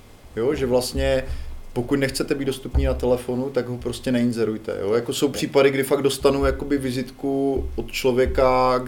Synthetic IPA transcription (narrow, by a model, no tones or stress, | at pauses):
jo̞ʒɛvlast̪ɲɛpo̞kucnɛxt͡sɛt̪ɛbiːdo̞st̪upniːnat̪ɛlɛfo̞nut̪aɡɦo̞pɾo̞scɛnɛɪnzɛɾujt̪ɛ̰jo̞̰jako̞so̞wpr̝̥iːpadɪɡdɪfaɡdo̞st̪anujako̞bɪvɪzɪt̪kuʔot̪t͡ʃlo̞vjɛka